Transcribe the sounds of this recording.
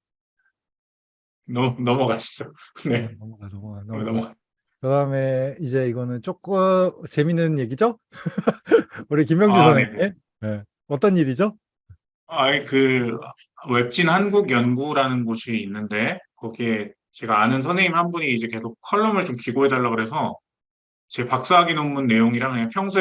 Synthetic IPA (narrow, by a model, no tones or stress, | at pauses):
nʌnʌmʌɡaɕʰi̥d͡ʑonenʌmʌɡanʌmʌɡanʌmʌa | kɯdaɯme̞id͡ʑe̞iɡʌnɯnt͡ɕ͈ok͈ɯt͡ɕe̞minːɯnje̞ɡid͡ʑo | uɾik̬imjʌŋd͡ʑusʰʌnee | ne | ʌt͈ʌnːiɾid͡ʑo | e | aikɯ | we̞p̚t͡ɕ͈inhanɡuɡjʌnɡuɾanɯnɡoɕʰiːnːɯnde̞kʌɡie | t͡ɕe̞ɡaːnɯns̬ʰʌneŋimhanbuɲiːd͡ʑe̞ke̞sʰok̚kʰːʌɭːʌmɯɭt͡ɕomkiɡoɦe̞daɭːaɡɯɾe̞s̬ʰʌ | t͡ɕepak̚s͈aɦaɡinomːunːe̞joŋiɾaŋɦaɲiapʰjʌŋs̬ʰu